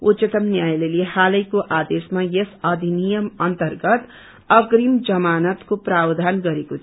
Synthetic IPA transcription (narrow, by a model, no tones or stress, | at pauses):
ut͡ʃʌt̪ʌmnjajlelehalʌjkoʔad̪esmajesʌd̪ʱinijʌmʌnt̪ʌrɡʌt̪ | ʌɡrimd͡zʌmanʌt̪koprabd̪ʱanɡʌɾeko